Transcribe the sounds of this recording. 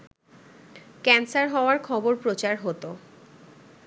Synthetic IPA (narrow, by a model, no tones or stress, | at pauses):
kɛnsaɾɦɔoaɾkʰɔboɾpɾot͡ɕaɾɦot̪o